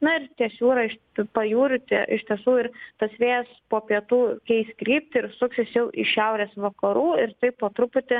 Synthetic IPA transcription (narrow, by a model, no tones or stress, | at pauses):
nʊɪɾt̪ʲiɛsʲuːɾɐɪʃ | pɐjuːɾʲʊt̪ʲiʔɪʃʲt̪ʲiɛsuːɪɾt̪ɐsʲʋʲeːjɛspoːpʲiɛt̪uːkʲɛɪsʲkɾʲiːpʲt̪ʲɪɪɾsʊksʲɪsjɛʊʔɪʃʲɛʊɾʲeːsʋɐkɐɾuːɪɾt̪ɐɪppoːt̪ɾʊpʊt̪ʲɪ